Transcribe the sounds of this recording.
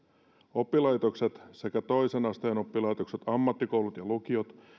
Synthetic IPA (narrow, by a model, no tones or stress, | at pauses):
o̞pːilɑjt̪o̞kse̞t̪se̞kæt̪o̞jsenɑst̪eːno̞pːilɑjt̪o̞kset̪ɑmːɑt̪ːiko̞wlut̪jɑluk̟iot̪